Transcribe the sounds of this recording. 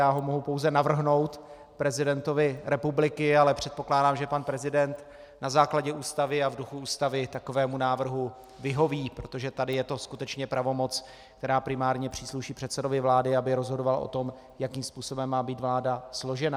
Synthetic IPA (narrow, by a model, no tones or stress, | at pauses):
jaːɦo̞mo̞ɦupowzɛnavr̩ɦno̞wt̪ | pɾɛzɪdɛnt̪o̞vɪɾɛpublɪkɪalɛpr̝̥ɛt̪̚po̞klaːdaːmʒɛpanpɾɛzɪdɛnt̪ | nazaːklaɟɛʔuːst̪avɪavduxuuːst̪avɪt̪ako̞vɛːmunaːvr̩ɦu | vɪɦo̞viːpɾo̞t̪oʒɛt̪adɪjɛt̪o̞skut̪ɛt͡ʃɲɛpɾavo̞mo̞t͡s | kt̪ɛɾaːpɾɪmaːɾɲɛpr̝̥iːsluʃiːpr̥ɛt̪sɛdo̞vɪvlaːdɪabɪɾo̞zɦodovalʔo̰t̪o̞m | jakiːmspuːso̞bɛmːaːbiːt̪vlaːdaslo̞ʒɛna